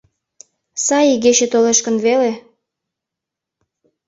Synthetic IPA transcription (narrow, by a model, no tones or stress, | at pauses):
sɑjiɣet͡ɕet̪oleʃkənβele